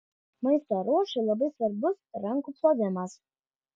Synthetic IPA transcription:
mɐɪst̪ɐɾuɔʃɪlˠɐbɐɪsʋɐɾbʊsɾɐŋkuːplˠoːʋʲɪmɐs

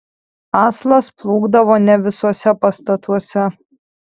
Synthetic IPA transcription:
ɑːslˠɐsplˠuːɡd̪ɐʋoːnʲɛʋʲɪsoɔsʲɛpɐst̪ɐt̪ʰuɔsʲɛ

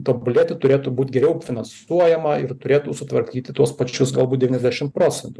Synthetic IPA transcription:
t̪obʲʊlʲeːt̪ʲɪt̪ʊɾʲeːt̪uːbuːt̪ʲɡʲɛɾʲɛʊfʲɪnɐnsuɔjɛmɐɪɾt̪ʊɾʲeːt̪uːsʊt̪ʋɐɾʲkʲiːt̪ʲɪt̪uɔspɐt͡ʃʲʊsɡɐlˠbuːtd̪ʲɛʋʲinʲɛzd̪ʲæʃʲɪmpɾoːt͡ssʲɛnt̪u

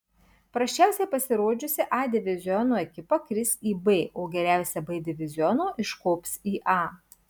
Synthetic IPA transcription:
pɾɐʃʲt͡ʃʲæˑʊsʲɛɪpɐsʲɪɾoːd͡ʒʲʊsʲɪʔɑːd̪ʲɪʋʲɪzʲɪɔnoːɛkʲɪpɐkɾʲɪsiːbeːʔoːɡʲɛɾʲæˑʊsʲɛbeːd̪ʲɪʋʲɪzʲɪɔnoːʔɪʃkoːpʲsiːʔɑː

